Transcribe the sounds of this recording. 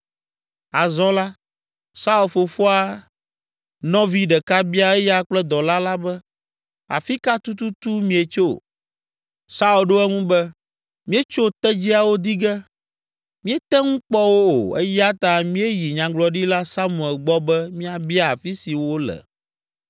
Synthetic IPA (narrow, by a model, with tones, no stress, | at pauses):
a˨zɔ̃˦la˦ | sa˦u˨lfo˨fo˦a˦ | nɔ̃˦vi˦ɖɛ˨ka˦bi˦a˦ɛ˦ja˦k͡plɛ˦d̪ɔ˨la˦la˦bɛ˦ | a̰˨fi˦ka˦t̪u˦t̪u˦t̪u˦mĩ˨e˨t͡ʃo˦˨ | sa˦u˨lɖo˦ɛ˦ŋũ˦bɛ˦ | mĩ˦e˦t͡ʃo˦t̪ɛ˦d͡ʑi˦a˨wo˦d̪i˦ɡɛ˦ | mĩ˦ɛ˦t̪ɛ˦ŋũ˦k͡pɔ˦wo˦o̰˨ɛ̰˦ja˦t̪a˨mĩ˦e˦ji˨ɲã˨ɡ͡blɔ˨ɖi˦la˦sa˦mũ˨ɛ˨lɡ͡bɔ˦bɛ˦mĩ˦a˨bi˦a˦a˨fi˦si˨wo˦lɛ̰˨